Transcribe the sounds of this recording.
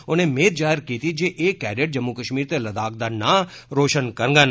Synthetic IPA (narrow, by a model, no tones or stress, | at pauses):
onemeːt̪̚d͡ʒaːɪɾkiːt̪id͡ʒeʔeːkːɛːɖeʈ̚d͡ʒəmːukəʃmiːɾt̪eləd̪aːk̚d̪ana | ɾoːʃənkəɾŋɡən